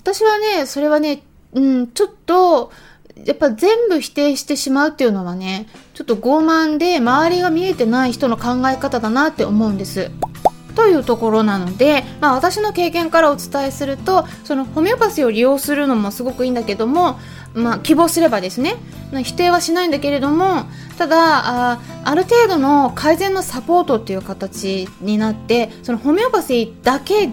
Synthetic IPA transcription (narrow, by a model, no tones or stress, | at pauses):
βat̪aɕiβane̞so̞ɾe̞β̞ane̞ | ɯ̟̃ɴt͡ɕo̞t̪ːo̞ | japːaizẽ̞mbɯ̟çi̥t̪e̞ːɕi̥t̪e̞ɕimaɯ̟t̪ːe̞iɯ̟no̞βane̞t͡ɕo̞t̪ːo̞ɡo̞ːmãnd̪e̞maβ̞aɾʲiɡamʲie̞t̪e̞naiçi̥t̪o̞no̞kãŋɡaekat̪ad̪anat̪ːe̞omo̞ɯ̟̃nd̪e̞sɨ | t̪o̞jɯ̟ːt̪o̞ko̞ɾo̞nano̞d̪e̞maːβ̞at̪aɕino̞ke̞ːkẽ̞ŋkaɾao̞t͡sɨ̥t̪aesɨɾɯ̟t̪o̞ | so̞no̞ho̞mʲeopasio̞ɾʲijo̞ːsɨɾɯ̟no̞mo̞sɨɡo̞kɯ̟ĩːnd̪ake̞d̪o̞mo̞ | makʲibo̞ːsɨɾe̞bad̪e̞sɨne̞ | nãçi̥t̪e̞ːβ̞aɕinaĩnd̪ake̞ɾe̞d̪o̞mo̞ | t̪ad̪aa | aɾɯ̟t̪e̞ːd̪o̞no̞kʰaizẽ̞nːo̞sapo̞ːt̪o̞t̪ːe̞ijɯ̟kat̪at͡ɕiɲ̟inat̪ːe̞so̞no̞ho̞mʲeopasd̪̥ake̞